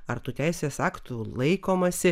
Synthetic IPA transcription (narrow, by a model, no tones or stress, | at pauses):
ɐɾt̪uːt̪ʲæɪsʲeːsɑːkt̪ulˠɐɪkoːmɐsʲɪ